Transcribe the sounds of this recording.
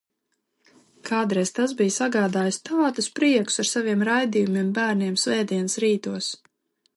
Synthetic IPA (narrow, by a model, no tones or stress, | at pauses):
kaːd̪ɾɛjst̪azbijsaɡaːd̪aːjst̪aːt̪uspɾiɛku̥saɾsaviɛmɾajd̪iːjumiɛmbæːɾniɛmsvɛːd̪iɛnɨsɾiːt̪uɔs